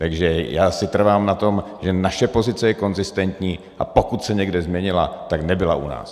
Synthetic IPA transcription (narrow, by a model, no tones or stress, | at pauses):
t̪aɡʒɛjaːsɪt̪r̩vaːmnat̪o̞m | ʒɛnaʃɛpo̞zɪt͡sɛjɛko̞nzɪst̪ɛnt̪ɲiː | ʔa̰po̞kut̪sɛɲɛɡdɛzmɲɛɲɪla̰t̪aknɛbɪla̰ʔṵna̰ːs